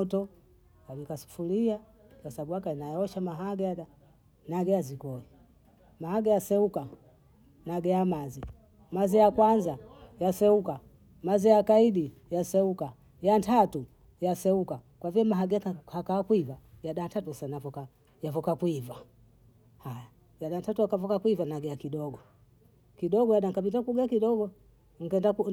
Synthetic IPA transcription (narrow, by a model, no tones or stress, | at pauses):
tɔ | kalikasu̥fulia | kasabuakainajɔʃamaɦaɡɛjaɗa | naɡɛjazikɔi | mahaɡɛjasɛuka | naɡɛjamazi | mazijakwanzajasɛuka | mazijakaiɗi | jasɛuka | jantʰatu | jasɛuka | kwaviɛmaɦaɡɛhakaakwivajaɗatatusanavɔka | javɔkakwiva | haja | jaɗantatuakavɔkakwivanaɡɛjakiɗɔɡɔ | kiɗɔɡɔjaɗaŋkabitakuɡakiɗɔɡɔ | ŋ̩ɡɛndaku